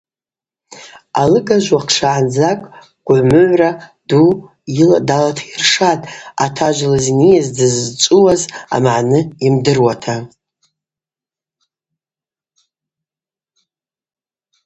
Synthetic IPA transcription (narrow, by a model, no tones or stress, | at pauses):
alɨɡaʒʷaqʰʂaʕand͡zakʼ | ɡ̥ʷʼʕʷmɨʕʷrad̥u | iladalatʰairʂatʼatʰaʒʷlazinijazdɨzt͡sʷʼuwaza̰mʕnɨimdɨrwatʰa